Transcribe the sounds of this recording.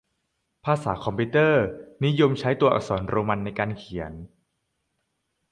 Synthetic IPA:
pʰaː˧sa̰ː˩˦kʰɔ˧mpʰiː˧˥t̪ɤː˥˩ni˦˥jo˧mt͡ɕʰa˦˥jt̪u˧ɐʔa̰˨˩k̚sɔ̰ː˩˦nɾoː˧ma˧nːa˧jkaː˧nkʰi˨˩˦ə˦n

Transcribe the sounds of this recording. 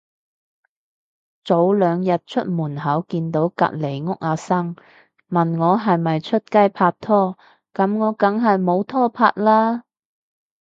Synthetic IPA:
t͡so˨˥wlœː˨˧ŋjɐ˨t̚t͡ʃʰɵ˥t̚muː˨˩nɦɐ˨˥wkiː˧nt̪o˨˥wkɐ̰˨t̚le˨˩jŋʊ˥k̚aː˨˧sɐ˥ŋ | mɐ˨˩nŋɔː˨˧ɦɐ˨jmɐ˨˩jt͡ʃʰɵ˥t̚kɐ˥jpʰaː˧t̚t̪ʰɔː˥ | kɐ˨˥mŋɔː˨˧kɐ˨˥ŋɦɐ˨jmo˨˧wt̪ʰɔː˥pʰa̰ː˧t̚laː˥

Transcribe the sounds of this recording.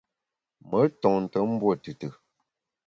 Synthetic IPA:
mə˨˦tɔ˨ŋn̩˨tə˨˦m̩˦bwo˦˨tɨ˨tɨ˨

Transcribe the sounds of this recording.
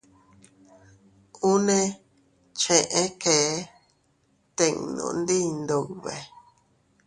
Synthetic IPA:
ũ˦nẽ˦ | t͡ʃẽ˨ʔẽ˦ke˨˦ | t̪ẽ˨ŋnõ̰˨nd̪i˦˧nd̪o˨wβḛ˨

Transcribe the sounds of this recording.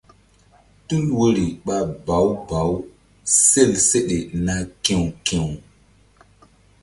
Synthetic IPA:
tu˦lwo˦ɾi˨ɓa˦ba˨˦wba˨˦w | se˦˨lse˦ɗe˨na˦kẽ˨wkẽ˨w

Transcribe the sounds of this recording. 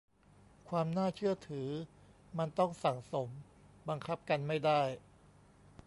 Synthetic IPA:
kʰwaː˧mnaː˥˩t͡ɕʰɯ˥˩ɐt̪ʰɯː˩˦ | ma˧nt̪ɔ˥˩ŋsa˩˦ŋso˩˦m | ba˧ŋkʰa˦˥p̚ka˧nma˥˩jda˥˩j

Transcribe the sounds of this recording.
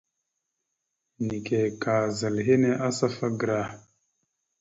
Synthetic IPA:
ni˨ke˨ka˨za˨lɦe˦ne˦ʔa˦sa˦fa˦ɡɾa˦˨

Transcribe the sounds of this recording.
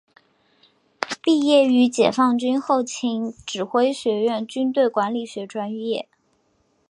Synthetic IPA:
pi˥˧jɛ˥˩y˧˥t͡ɕjɛ̰˨˩fɑ˥˩ŋt͡ɕy˥nxo˥˩ʊt͡ɕʰi˧˥ŋʈ͡ʂɻ̩˨˩xwe˥ɪɕɥɛ˧˥ɥɛ˥˩nt͡ɕy˥nt̪̬we˥˩ɪkwa˧˥nli˨˩ɕɥɛ˧˥ʈ͡ʂwa˥njɛ˥˩

